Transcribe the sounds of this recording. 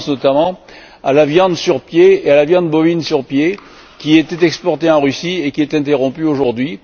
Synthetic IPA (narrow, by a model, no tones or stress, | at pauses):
snɔt̪amɑ̃ | alavjɑ̃d̪syʁpjeealavjɑ̃d̪bɔvinsyʁpje | kʲiɛt̪ɛt̪ɛkspɔʁt̪eɑ̃ʁysiekʲiɛt̪ɛ̃t̪eʁɔ̃pyoʒuʁd̪ɥi